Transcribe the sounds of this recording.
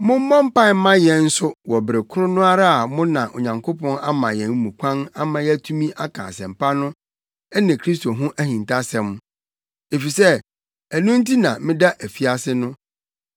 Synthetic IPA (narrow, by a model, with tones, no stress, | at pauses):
mʊ̃˦m̩˦mɔ̃˦m˦pã˦˨m̩˦mã˦jɛ̃˨n̩˦sʊ˦wɔ˨bɾe˨kʰʊ˦ɾʊ˦nʊ̃˦a˦ɾa˦a˨mʊ̃˦nã˨ʔo̰˨ɲã˨ŋkʰo˦pɔ̃˦na˦mã˨jɛ̃˨n˦mũ˨kʷʰã˦na˦mã˦jɛ˦æ˦tʰũ˦mĩ˦ʔa˦kʰã̰ː˨sɛ̃˨m̩˨pʰa˦nʊ̃˦ | ɛ˦nɪ̃˨kʰɾi˦sto˨ɦʊ̃˦ʔæ˦hĩ˨n˨tʰa˦sɛ̃˨m˦ | e˨fi˨sɛ˦ | æ˨nũ˦n˦tʰi˦nã˨mɪ̃˦da˦ʔæ˨fi˦a˨sɪ˦nʊ̃˦